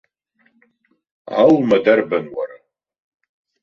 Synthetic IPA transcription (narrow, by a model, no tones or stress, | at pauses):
a̰lmadarbanwa̰ra